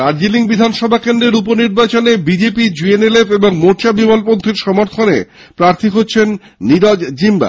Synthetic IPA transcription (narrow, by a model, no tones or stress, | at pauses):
aɾd͡ʑiliŋbid̪ʱanʃɔbʱakend̪ɾeɾuponiɾbat͡ɕonebid͡ʑepid͡ʑuenelefeboŋmoʃabimalpont̪ʰiɾʃɔmoɾt̪ʰonḛ | pɾaɾt̪ʰiɦotːɕʰenː | iɾɔd͡ʑd͡ʑimba̰